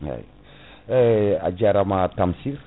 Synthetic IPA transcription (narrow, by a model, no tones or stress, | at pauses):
a̰j | a̰d͡ʒaɾamatamsiɾ